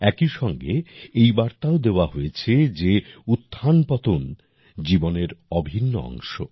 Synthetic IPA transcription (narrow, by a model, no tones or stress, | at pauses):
ɛkiʃɔŋɡḛejbaɾt̪aod̪eoaɦojet͡ɕʰed͡ʑeut̪ʰːanpɔt̪on | d͡ʑiboneɾɔbʱinːoɔ̰ŋʃo̰